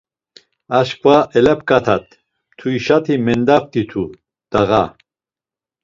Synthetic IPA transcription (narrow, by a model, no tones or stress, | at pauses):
aʃkʰʼvaʔɛlɛpkʼat̪ʰat̪ːʰ | uiʃat̪ʰimɛnd̪aft̪it̪ʰu | d̪̥aɣa